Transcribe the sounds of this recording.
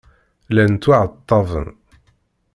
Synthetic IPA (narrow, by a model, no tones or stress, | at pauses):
lænt̪ːuʕət̪ˤːɑvˤə̰n